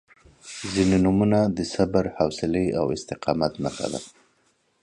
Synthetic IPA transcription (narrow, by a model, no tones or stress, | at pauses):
zininumunad̪əsabaɾhawsɪlea̰wɪst̪ɪqɑmat̪nəxa̰d̪a̰